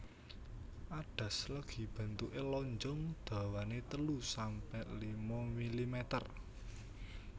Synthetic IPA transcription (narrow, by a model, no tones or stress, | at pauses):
ʔaɖ̥a̤sləɡ̥i̤b̥a̤nt̪uʔelɔɲd͡ʒɔŋd̪̥ä̤wanet̪əlusampɛlimɔmilimɛt̪ər